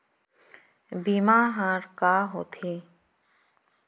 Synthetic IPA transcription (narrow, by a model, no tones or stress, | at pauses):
bimaɦaɾkaɦot̪ʰe